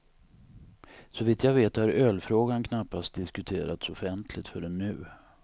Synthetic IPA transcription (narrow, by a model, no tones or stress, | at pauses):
sɔviːt̪javeːt̪haɾøːlfɾoːɡankʰnapːast̪̚d̪ɪskɵt̪ʰeːɾat̪sɔfɛnt̪ʰlɪɡt̪fœɖɛnːʉ̟ː